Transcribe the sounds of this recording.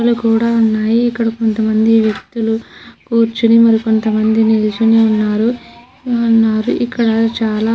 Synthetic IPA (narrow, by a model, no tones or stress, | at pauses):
lukuːɽaːunːaːjiːkːɐɽɐko̞nt̪ɐmɐnd̪iʋjɐk̚t̪ulukuːɾt͡ʃunimɐɾiko̞nt̪ɐmɐnd̪inilut͡ʃuneunːaːɾu | ɐnːaːɾuʔikːɐɽɐt͡ʃaːlaː